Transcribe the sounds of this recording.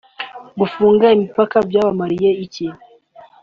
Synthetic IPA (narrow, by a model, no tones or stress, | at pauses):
ɡufuːŋɡaimipakabjaːβamaɾijeici